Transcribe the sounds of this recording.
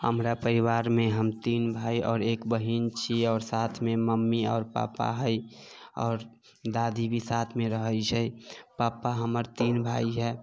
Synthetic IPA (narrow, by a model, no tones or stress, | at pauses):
həmɾapəɾiʋaːɾmẽɦəmt̪iːnbʱaːiʔɔːɾeːkbəɦint͡ʃʰiɔːɾsaːt̪ʰmẽməmːiɔːɾpa̰ːpa̰ɦəi | ɔ̰ːɾ | d̪aːd̪ʱibʱisaːt̪ʰmẽɾəɦəjt͡ʃʰəipaːpaɦəməɾt̪iːnbʱaːiɦɛː